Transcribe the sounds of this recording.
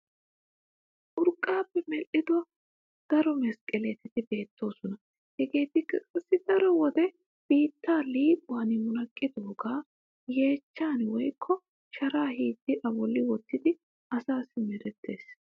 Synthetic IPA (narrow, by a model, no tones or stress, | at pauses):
ʔʊɾkʼːaːpːɛmɛlʔɪd̪ʊwɐ | d̪̥ɐɾɔmɛskʼɛlɛt̪ɛt̪ɪbe̞ːt̪ʰːo̞ːsɔnɐ | hɛɡe̞ːt̪ɪkːɐkʼɐsːɪd̪ɐɾɔwɔd̪ɛ | b̥iːt̪ːaːliːpʼʊwanɪmʊnɐkʼːɪd̪o̞ːɡaː | je̞ːt͡ʃːaːnwɔjkʰːɔ | ʃɐɾaːhiːd̪ːɪʔɐbɔlːɪwɔt̪ːɪd̪ɪ | ɐsaːsːɪmɛɾɛt̪ʰːe̞ːs